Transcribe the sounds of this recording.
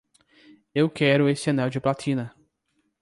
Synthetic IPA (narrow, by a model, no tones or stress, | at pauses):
ewkɛɾʊesɪɐnɛwd͡ʒɪplat̪ʰĩnɐ